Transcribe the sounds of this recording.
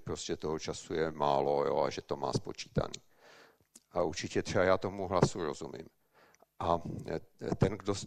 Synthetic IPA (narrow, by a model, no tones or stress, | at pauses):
pɾoscɛt̪oɦot͡ʃasujɛmaːlojo̰ːa̰ʒɛt̪o̞ma̰ːspo̞t͡ʃi̥ːt̪a̰niː | ʔaʔuɾt͡ʃɪcɛt̪r̥ɛbajaːt̪o̞muɦlasuɾo̞zumḭːm | ʔa | t̪ɛnɡdos